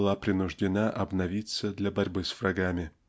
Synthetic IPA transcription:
lˠapɾʲɪnʊʐdʲɪnaʔɐbnɐvʲit̪səd̪lʲɐbɐɾʲbɨsfrɐɡamʲɪ

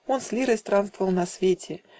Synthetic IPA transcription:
onsʲlʲiɾəsʲt̪ɾanst̪vəvəlˠnɐsʲvʲetʲʰɪ

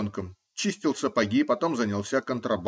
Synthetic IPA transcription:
nkəm | t͡ɕisʲtʲɪlˠsʲəpɐɡʲipɐt̪o̞mzənʲɪlˠsʲakənt̪ɾʔɐb

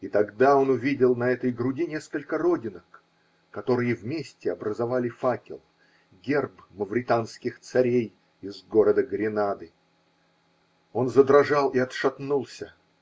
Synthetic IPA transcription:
it̪ɐɡd̪ao̞nʊvʲidʲɪlˠnɐɛt̪əjɡɾʊdʲinʲeskəlʲkəɾo̞dʲɪnək | kɐt̪o̞ɾɨjəvmʲesʲtʲɪɐbɾəzɐvalʲɪfakʲɪ̰lˠ | ɡʲerbməvɾʲɪt̪anskʲɪxt̪sɐɾʲej | ɪzɡo̞ɾəd̪əɡɾʲɪnad̪ɨ | o̞nzəd̪ɾɐʐalˠɪɐt̪ʂɐt̪nulˠsʲə

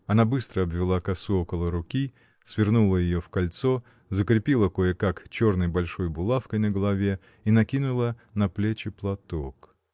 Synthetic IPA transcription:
ɐnabɨst̪ɾəɐbvʲɪlˠakɐsuo̞kəlˠəɾʊkʲi | sʲvʲɪrnulˠəjɪjofkɐlʲt̪so | zəkɾʲɪpʲilˠəkojəkakt͡ɕornəjbɐlʲʂo̞jbʊlˠafkəjnəɡəlˠɐvʲe | inɐkʲinʊlˠənɐplʲet͡ɕɪplˠɐt̪ok

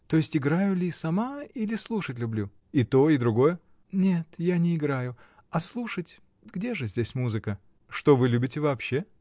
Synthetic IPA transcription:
t̪o̞jɪsʲtʲɪɡɾajʊlʲɪsɐmailʲɪslˠuʂətʲlʲʊblʲu | it̪o̞id̪ɾʊɡo̞jə | nʲet̪janʲɪɪɡɾajʊ | ɐslˠuʂətʲ | ɡdʲe̞ʐɨzʲdʲesʲmuzɨkə | ʂt̪o̞vɨlʲubʲɪtʲɪvɐːpɕːe̞

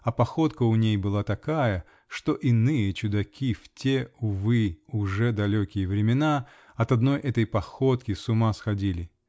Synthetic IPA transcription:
ɐpɐxo̞t̪kəʊnʲejbɨlˠat̪ɐkajə | ʂt̪o̞ʔɪnɨjət͡ɕʊd̪ɐkʲiftʲeʊvɨʊʐɛd̪ɐlʲokʲɪjəvɾʲɪmʲɪna | ɐt̪ɐd̪no̞jʔɛt̪əjpɐxot̪kʲɪsʊmasxɐdʲilʲɪ

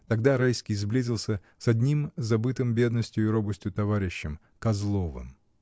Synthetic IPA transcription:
t̪ɐɡd̪aɾajskʲijzblʲizʲɪlˠsʲə | sɐd̪ʲnʲimzɐbɨt̪ɨmbʲe̞d̪nəsʲtʲjʊɪɾobɨsʲtʲjʊt̪ɐvaɾʲɪɕːɪm | kɐzlˠovɨ̰m

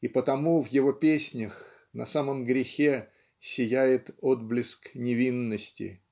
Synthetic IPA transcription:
ipət̪ɐmuvjɪvo̞pʲesʲnʲəx | nɐsaməmɡɾʲɪxʲe | sʲɪjæjɪt̪od̪̚blʲɪsknʲɪvʲinːəsʲtʲɪ̰

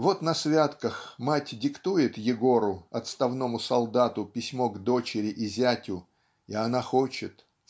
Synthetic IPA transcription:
vo̞t̪nɐsvʲat̪kəxmatʲdʲɪkt̪ujɪt̪jɪɡo̞ɾʊɐt̪st̪ɐvno̞mʊsɐlˠd̪at̪ʊpʲɪsʲmo̞ɡd̪o̞t͡ɕɪɾʲɪʔɪzʲætʲʊ | iɐnaxot͡ɕɪt̪

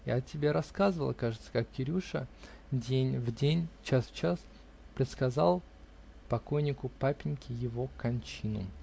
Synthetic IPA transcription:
ja̰ɐtʲɪbʲeɾɐskazɨvəlˠəkaʐɨt̪sə̥kakkʲɪɾʲuʂə̰ | dʲenʲvdʲenʲt͡ɕasft͡ɕas | pɾʲɪt̪skɐzalˠ | pɐko̞jnʲɪkʊpapʲɪnʲkʲɪjɪvo̞kɐnʲt͡ɕinʊ̰

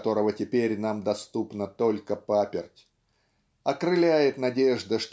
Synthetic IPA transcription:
t̪o̞ɾəvətʲɪpʲeɾʲnamd̪ɐst̪upnət̪olʲkəpapʲɪrtʲ | ɐkɾɨlʲæjɪt̪nɐdʲeʐd̪əʂt̪

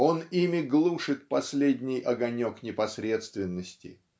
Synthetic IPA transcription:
o̞nimʲɪɡlˠuʂɨt̪̚pɐsʲlʲedʲnʲɪjʔɐɡɐnʲo̞knʲɪpɐsɾʲe̞t̪st̪vʲɪnːəsʲtʲɪ̰

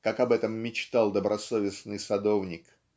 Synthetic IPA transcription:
kakɐbɛt̪əmːʲɪt͡ɕt̪ɑlˠd̪əbɾʔɐsovʲɪsnɨjsɐd̪o̞vnʲɪk

